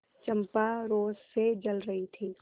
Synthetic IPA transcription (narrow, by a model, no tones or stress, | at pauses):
t͡ʃɐ̃mpaɾoːzsed͡ʒɐlɾɐɦit̪ʰiː